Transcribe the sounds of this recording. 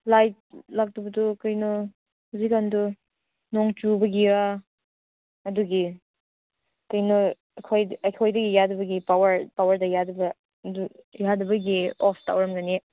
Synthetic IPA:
lajt̚lak̚tubɐdukɐjnɔ | huzikːandu | nɔŋt͡ʃubɐɡia | ɐduɡi | kɐjnɔ | ɐkʰojɐkʰojdɐɡijadubɐɡipawɐɾpawɐɾdɐjadɐbɐ | dujadɐbɐɡiɔpta̰wɾɐmɡane

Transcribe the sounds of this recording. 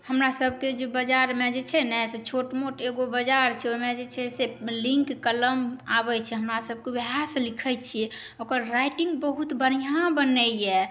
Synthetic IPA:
həmɾasəb̚ʱked͡ʒebəd͡ʒaɾmed͡ʒet͡ʃʰɛnɛset͡ʃʰoʈmoʈeɡobəd͡ʒaɾt͡ʃʰɛomed͡ʒet͡ʃʰɛselĩŋkːələmabɛt͡ʃʰɛɦəmɾasəb̚kebɦaslikʰəjt͡ʃʰiɛ | okəɾːajʈĩŋɡbəɦut̪bənijãbənəjɛ

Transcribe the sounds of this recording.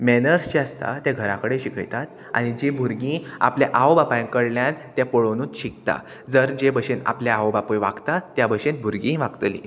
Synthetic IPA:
menəɾst͡ɕiast̪a̰t̪jaɡʱəɾakəɽeɕikʰə̰jt̪at̪ | a̰ɽ̃id͡ʑebʱuɾɡĩa̰pljaʔaobapaj̃ŋkəɽljant̪japoɭonũːnt̪ɕikt̪a̰ | d͡zəɾd͡ʑebəɕena̰pljaawbapojʋa̰ɡt̪at̪jabəɕenbʱuɾɡĩʋaɡt̪lḭ

